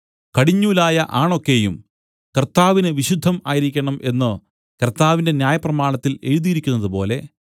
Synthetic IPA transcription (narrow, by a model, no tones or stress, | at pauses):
kɐɽiɲːuːlaːjɐʔaːɳo̞kːe̞jṵm | kɐrt̪ːaːʋinɨʋiɕud̪ʱːɐmaːjiɾikʲːɐɳɐmʔe̞nːɨ | kɐrt̪aːʋinde̞njaːjɐprɐmaːɳɐt̪ːile̞ɻuðijɾikʲːunːɐðɨpo̞̰ːle̞